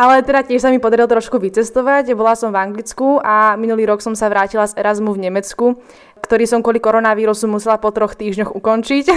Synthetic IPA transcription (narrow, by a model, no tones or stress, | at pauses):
ʔalɛt̪ɛd̪acɪɛʃsamipɔd̪aɾilt̪ɾɔʃkuʋit͡sɛst̪ɔʋacbɔlasɔmvaŋɡlit͡skuaminuliːɾɔksɔmsaʋɾaːcilazɛɾazmuvɲɛmɛt͡sku | kt̪ɔɾiːsɔmkʊɔlikɔɾɔnaʋiːɾusumusɛlapɔt̪ɾɔxt̪iːʒɲɔɣukɔnt͡ʃic